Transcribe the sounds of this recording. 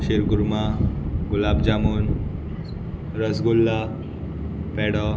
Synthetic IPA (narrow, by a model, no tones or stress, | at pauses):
ɕeɾɡuɾmaɡulabd͡ʑamuːn | ɾəsɡulːa | pɛɽɔ